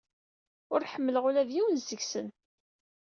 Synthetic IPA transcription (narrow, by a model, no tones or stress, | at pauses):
ʊɾħəmːələʁʊɾæðjiwənzəɡsən